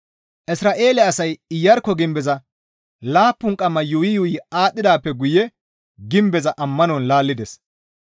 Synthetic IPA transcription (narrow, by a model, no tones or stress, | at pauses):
ʔɪsɾaːʔe̞ːlɛɐsɐjɪjːɐɾkːɔɡɪmbɛzɐ | laːpːʊŋkʼɐmːɐjʊɪjʊɪaːt̪ʼːɪd̪aːpːɛɡʊjɛ | ɡɪmbɛzɐʔɐmːɐnɔnlaːlːɪd̪ɛs